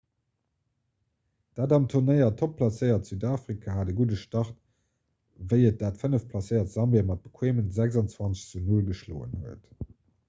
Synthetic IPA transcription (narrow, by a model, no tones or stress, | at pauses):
d̥aːdɑmtʰuʁnəɪɐtʰopʰlɑsəɪɐtz̥yːdaːfʁikʰahaːdəɡudəʃtɑχt | vəɪət̚d̥aːtfənəfpʰlɑsəɪɐtz̥ɑmveːɐmɑt̚b̥ə̥kʰweːmənzæɡzɑnt͡swɑnt͡sə̥ɕt͡sunulɡəʃlo̰ːə̰nhuət